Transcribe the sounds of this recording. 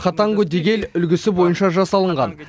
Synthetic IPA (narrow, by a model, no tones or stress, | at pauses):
χɑt̪ɑŋɡɵd̪eɡʲe̞lʏlɡʲɪsɪbo̞jənʃɑʒɑsɑlˠəɴʁɑ̰n